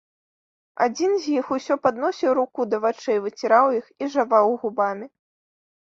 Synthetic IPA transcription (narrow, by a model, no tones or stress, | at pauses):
a̰d͡zʲinzʲjixusʲɔpad̪nɔsʲiwɾukud̪ɐvat͡ʂɛjvɨt͡sʲiɾawjixiʐavawɣubamʲi